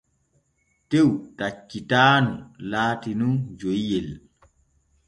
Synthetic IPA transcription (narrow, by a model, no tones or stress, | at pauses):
tewtat͡ʃːitaːnulaːtinund͡ʒojːɛl